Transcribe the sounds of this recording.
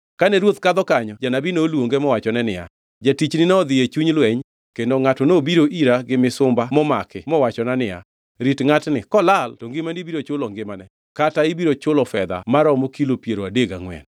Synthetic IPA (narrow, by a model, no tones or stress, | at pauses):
kanɛɾwot̪kad̪ɔkaɲɔd͡ʒanabinoːlwoŋɡemɔwat͡ʃɔnɛnɪja̰ | d͡ʒatit͡ʃnɪnɛɔd̪ɪjet͡ʃuɲlwɛɲ | kendoŋatɔnobiɾoʔiɾaɡɪmɪsʊmbamɔmakɪmɔwat͡ʃɔnanɪja̰ | ɾitŋatnɪkɔlaltɔŋɡɪmandibiɾot͡ʃʊlɔŋɡɪmanɛ | kataibiɾot͡ʃʊlɔfɛd̪a̰maɾɔmokilopjeɾoadeɡa̰ŋwɛ̰n